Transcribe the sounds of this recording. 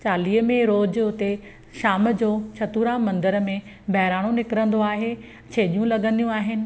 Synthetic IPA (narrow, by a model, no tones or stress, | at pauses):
t͡ɕaːliːɦəmẽɾoːd͡ʑɦʊt̪e | ʃaːmd͡ʑoːt͡ɕʰɐt̪uːɾãmɐ̃nd̪əɾəmẽ | bɐɦɪɾaːɽ̃onɪkɪɾə̃nd̪oaːɦe | t͡ɕʰeːɗijũlɐɠə̃nd̪ijũaːɦɪnɪ̆